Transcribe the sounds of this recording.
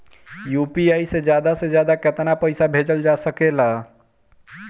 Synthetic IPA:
jupiajsed͡ʒjad̪ased͡ʒjad̪aket̪napəjsabʱed͡ʒəld͡ʒasəkela

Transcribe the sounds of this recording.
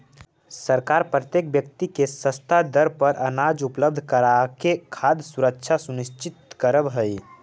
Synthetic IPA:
səɾkaːɾpɾət̪jeːk̚bjəkt̪ikesə̃st̪ʰad̪əɾpəɾʔənaːd͡ʒupləb̚d̪ʱkəɾakekʰaːd̪suɾəkt͡ʃʰasunɪʃt͡ʃɪt̪kəɾəbɦəi

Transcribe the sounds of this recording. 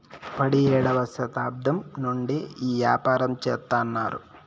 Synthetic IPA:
pɐɽiɛːɽɐʋɐsɐt̪aːb̚d̪ɐmnuɳɖiiːʋjaːpaːɾɐmt͡ʃɛːt̪ːaːnːaːɾṵ

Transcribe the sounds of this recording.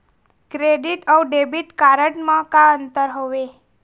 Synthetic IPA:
kɾeɖiʈəwɖebiʈkaɾəɳmãkãənt̪əɾɦoʋe

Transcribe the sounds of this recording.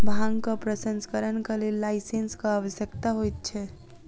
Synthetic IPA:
bʱãŋkəpɾəsənskəɾənkəlelːajsenskəaʋəsjəkt̪aɦojt̪̚t͡ʃʰɛ

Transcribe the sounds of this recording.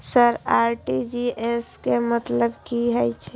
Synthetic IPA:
səɾaɾʈid͡ʒieskemət̪ləbkiɦəjt͡ʃʰɛ

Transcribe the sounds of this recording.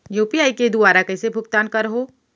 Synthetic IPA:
juːpiaːiked̪ʊaːɾakɛːsebʱʊkt̪aːnkɐɾɦoː

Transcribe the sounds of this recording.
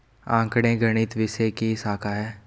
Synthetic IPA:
ã̰ːŋkɽ̃ẽɡɾəɽ̃ɪt̪ʋɪsekisaːkʰaɦɛː

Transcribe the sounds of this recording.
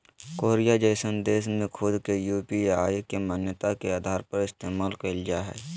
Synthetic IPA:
koːɾijad͡ʒəɪsənd̪eːʃmẽkʰʊd̪kejuːpiaːjkemaːnjət̪akeaːd̪ʱaːɾpɐɾɪst̪eːmaːlkəld͡ʒaɦɛ̰ː

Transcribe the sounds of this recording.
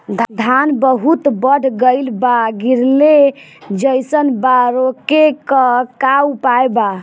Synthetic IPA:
d̪d̪ʱanbəɦut̪bəɽ̤ʱɡəɪlbaɡiɾled͡ʒəjsənbaɾokekəkapajba

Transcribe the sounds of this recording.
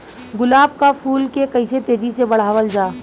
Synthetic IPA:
ɡʊlaːb̚kapʰuːlkekəɪset̪eːd͡ʒisebɐɽ̤aːʋəld͡ʒaː

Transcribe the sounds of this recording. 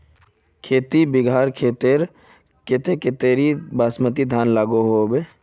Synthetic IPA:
kʰeːt̪ibɪɡʱaːɾkʰeːt̪eɾ | kɪt̪ekɪt̪eɾibaːsmət̪id̪ʱaːnlaːɡoɦoːbe

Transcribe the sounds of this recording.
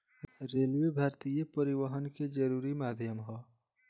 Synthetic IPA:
ɾeːljebʱaːɾt̪ijəpəɾɪʋəɦənked͡ʒəɾuːɾimaːd̪ʱjəmɦɔː

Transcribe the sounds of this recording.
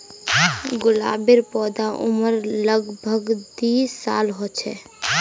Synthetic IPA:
ɡʊla̰ːbeɾpɔːd̪aʔʊ̰məɾləɡbʱəɡd̪iːsːa̰ːlɦoːt͡ʃʰɛ̰

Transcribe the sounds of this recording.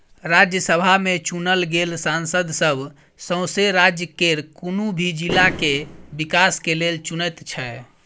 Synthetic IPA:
ɾad͡ʒjəsəbʱamet͡ʃunəlɡelsansəd̪ʱsəbʱ | sə̃w̃seɾad͡ʒjəkeɾkunubʱid͡ʒilːakebikaskelelt͡ʃunət̪t͡ʃʰɛ

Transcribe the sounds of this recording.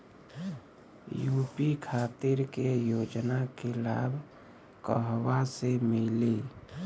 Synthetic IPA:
juːpikʰaːt̪iɾkejoːd͡ʒnakela̰ːbʱ | kəɦwasemili

